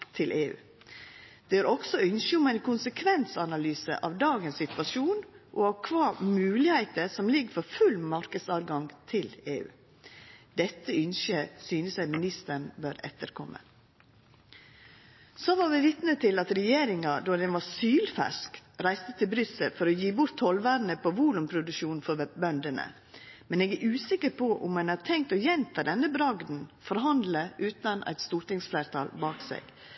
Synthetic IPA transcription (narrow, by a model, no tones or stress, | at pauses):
t̪ʰɪlʔeːʉ̰ː | d̪̥ɛøːɾɔɡsɔʏnʃəʊmæɪnkʰʊnsəkʰʋɛnsɑnɑlyːsə̰ʔɑʋd̪ɑːɡənssɪt̪ʋɑʃuːnʔɔɑʋkʰʋɑːmʉːlɪhæɪt̪əɾsɔmlɪɡəfɔɾfʉlmɑɾkəd̪sɑːʋɡɑŋt̪ʰɪleːʉ̰ː | d̪ɛt̪ːəʏnʃəsyːnəsæɪmɪnɪst̪əɳbøːɾɛ̰t̪əɾkʰɔmʔə̰ | soʋɑɾʋɪʋɪt̪nət̪ʰɪlɑt̪ɾɛjeːɾɪŋɑd̪oːd̪ɛnʋɑɾsyːlfæ̰ʂkɾæɪst̪ət̪ʰɪlbɾʏsəlfɔɾɔjiːbʊɾt̪ʰhɔlʋæːɾn̩əpʰoʋuːlʉmpʰɾʊd̪ʉʃuːnfɔbœnd̪ənə̰ | mɛneːɡæʔʉːsɪkəɾpʰɔʔʊ̰mːɛnæt̪ʰɛŋk̚t̪ɔjɛnt̪ʰɑd̪ɛnːəbɾɑɡd̪n̩fɔɾɦɑnd̪ləʔʉːt̪ɑnʔæ̰ɪt̪st̪uːɾʈ̪ɪŋsfleːɾt̪ʰɑ̰ːlbɑːksḛːɡ̥